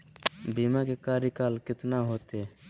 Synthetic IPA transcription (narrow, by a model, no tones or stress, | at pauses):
biːmãkekaːɾikaːlkɪt̪naɦoːt̪eː